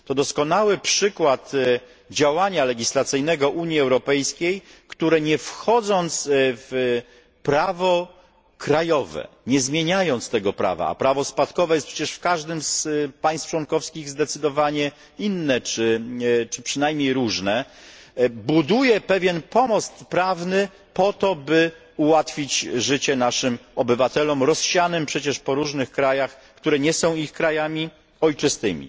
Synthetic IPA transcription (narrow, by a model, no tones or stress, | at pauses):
t̪ɔd̪ɔskɔnawɘpʂɘkwat̪ | d͡ʑawaɲalɛɡʲislat̪sɘjnɛɡɔʔuɲjiɛwɾɔpɛjskʲejkt̪uɾɛɲɛfxɔd̪zɔnt̪sv | pɾavɔ | kɾajɔvɛ̰ | ɲɛzmʲjeɲajɔnt̪st̪ɛɡɔpɾa̰va̰a̰pɾavɔspat̪kɔvɛjɛst̪pʂɛt͡ɕɛʂfkaʐd̪ɘmspaj̃st̪ft͡ʂwɔnkɔfskʲiɣzd̪ɛt̪sɘd̪ɔvaɲɛ | inːɛt͡ʂɘt͡ʂɘpʂɘnajmɲejɾuʐnɛ | bud̪ujɛpɛvʲjɛnpɔmɔst̪pɾavnɘ | pɔt̪ɔbɘ | uwat̪fʲit͡ɕʐɘt͡ɕɛnaʂɘmɔbɘvat̪ɛlɔmɾɔsɕanɘmpʂɛt͡ɕɛʂpɔɾuʐnɘxkɾajax | kt̪uɾɛɲɛsɔ̃w̃ixkɾajamʲi | ɔjt͡ʂɘst̪ɘ̰mʲḭ